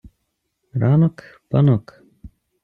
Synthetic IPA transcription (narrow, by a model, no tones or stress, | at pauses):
ɾaːnokpanok